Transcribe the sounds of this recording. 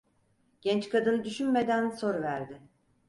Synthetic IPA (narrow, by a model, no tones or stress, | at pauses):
ɟ̥ɛnt͡ʃkʰad̪ɯnɯd̪yʃynme̞d̪ænso̞ɾvæɾd̪ɪ